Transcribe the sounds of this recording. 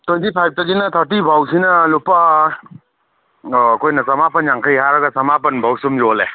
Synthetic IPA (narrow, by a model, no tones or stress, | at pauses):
twentipʰajb̚tɐɡinɐt̪ʰəɾt̬ibʱawsinɐlupa | kojnɐsɐmapɐnjaŋkʰəjɦaɾɐɡasɐmap̬ɐnbʱawsumjɔle